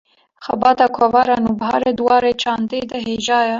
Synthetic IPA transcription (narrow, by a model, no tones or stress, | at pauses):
xɛbɑːt̪ɑːkʰɔvɑːɾɑːnuːbɦɑːɾeːd̪ɨwɑːɾeːt͡ʃʰɑːnd̪eːd̪ɐɦeːʒɑːjɛ